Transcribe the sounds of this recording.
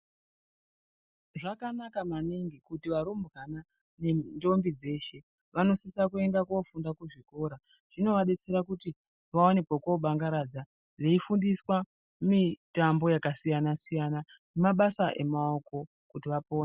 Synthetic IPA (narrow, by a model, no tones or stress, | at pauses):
ʐakanakamaniŋɡikutiʋaɾumbrana | nendo̞mbid͡ze̞ːʃe̞ | ʋano̞sisakue̞ndakofundakuʐiko̞ːɾa | ʐ̥ino̞ʋaɗet͡seɾakuti | ʋaone̞kwakoɓaŋɡaɾad͡za | ʐeifundiswa | mitambo̞jakasijanasijana | nemaɓasaʔe̞mao̞ko̞ | kutiʋapo̞ːn